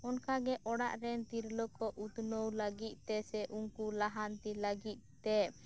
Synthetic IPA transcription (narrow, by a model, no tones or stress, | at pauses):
ɔnkaɡɛʔɔɽaʔɾɛnt̪iɾlɔkɔʔut̪nowləɡit̪̚ˀt̪ɛsɛʔuŋkulaɦant̪iləɡit̪̚ˀt̪ɛ